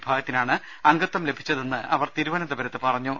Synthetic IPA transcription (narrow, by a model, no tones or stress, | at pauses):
bʱaːɡɐt̪ːinaːɳɨ | ɐŋɡɐt̪ːɐmlebʱit͡ɕːɐðenːɨʔɐʋɐrt̪iːɾuʋɐnɐd̪ɐbɐɾɐt̪ːepɐrɐɲːu